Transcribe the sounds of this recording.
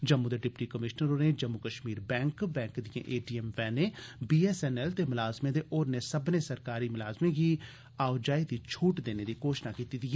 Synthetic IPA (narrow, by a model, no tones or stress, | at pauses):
d͡ʒɐmːũd̪eɖɪpʈikəmɪʃnəɾoned͡ʒɐmːukəʃmiːɾbɛ̃ːŋkbɛ̃ːŋkd̪ijḛ̃ʔeːʈiɛmʋɛːnebiːɛsɛnɛlt̪emʊlaːzmẽd̪eʔɔːɾnesɐbnesɐɾkaːɾimʊlaːzmẽki | aːʋd͡ʒaːid̪it͡ʃʰuːʈd̪eːned̪ikoːʃnakiːt̪id̪i